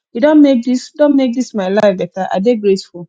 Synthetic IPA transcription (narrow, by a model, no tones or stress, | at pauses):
idɔ̃nmek̚disdõnmek̚dismaɪlaɪfdɛtaʔa̰deɡɾesful